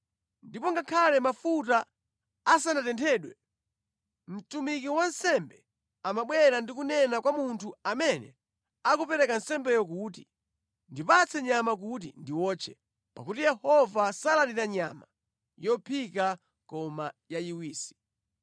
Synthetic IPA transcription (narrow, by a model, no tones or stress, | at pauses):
ndipɔŋɡakʰalɛmafutaː | s̬andatɛntʰɛːɗwɛ | m̩tumikiwansɛmbɛ | amaɓwɛɾandikunɛnakwamuntʰuamɛnɛ̰ | akupɛɾɛkansɛmbɛjɔk̬uːt̬i | ndipat͡sʰɛɲamak̬ut̬ḭndiwɔːt͡ʃʰɛ | pakutijɛhɔvasalaniɾaɲa̰ma | jɔpʰika | kɔmajajiwiːsi̥